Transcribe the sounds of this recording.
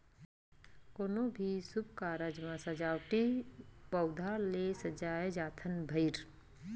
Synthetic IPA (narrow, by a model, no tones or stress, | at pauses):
koːnobʱisʊb̚kaːɾəd͡ʒmãsɐd͡ʒaːwʈibɐwd̪ʱalesɐd͡ʒaːjed͡ʒaːt̪ʰənbʱɐjɾ